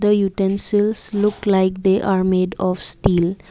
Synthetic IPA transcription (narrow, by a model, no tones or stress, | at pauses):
d̪əjuʈẽnsilslʊklaɪk̚d̪eʔaɾmeːɖɔʋsʈiːl